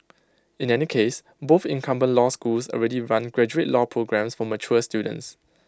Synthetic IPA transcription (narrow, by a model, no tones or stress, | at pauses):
ĩnɛnikʰes | bofɪ̃nkʰãmbə̃nlɔskulsɔ̰lɹɛdiɹãnɡɹɛd͡ʒuet̚lɔpʰɹoɡɹɛ̃msfɔmət͡ʃuəstjudə̰̃ns